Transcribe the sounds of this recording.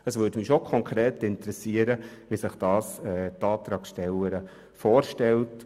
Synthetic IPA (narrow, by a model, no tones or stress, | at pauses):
əsʋøːdmɪʃokʰɔŋkɾeːtɪntɾɛsiəɾəʋisɪχd̥ɑːsɛːtɑːt̪ɾɑːksʃtɛlːəɾə | fɔːɾʃtɛlt